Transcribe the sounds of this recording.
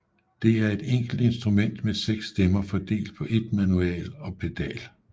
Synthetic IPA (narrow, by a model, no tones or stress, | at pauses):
d̥e̝æɐe̝d̥eŋ̰ɡ̥l̩d̥e̝nsd̥ʁumen̰d̥meseɡ̥sːd̥emɐfɒd̥e̝̰ːld̥̚pʰɒ̽ʔe̝d̥mænuɛ̰ːlɒ̽pʰe̝d̥ɛ̰ːl